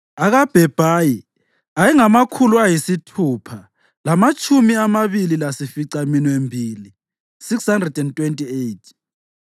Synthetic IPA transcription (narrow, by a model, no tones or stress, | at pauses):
aɣab̥ʱɛb̥ʱaji | ajɛŋamakʰuluajisitʰupʰa | lamat͡ʃʼumiamaβililasifiǀaminwembʱiːli | sikshandrɛdɛntʼwentʼiejtʰ